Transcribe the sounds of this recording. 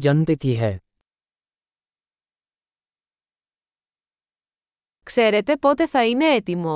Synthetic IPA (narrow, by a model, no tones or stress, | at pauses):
d͡ʒənt̪it̪iɦɛː | ksɛːɾet̪epot̪efɐineet̪imo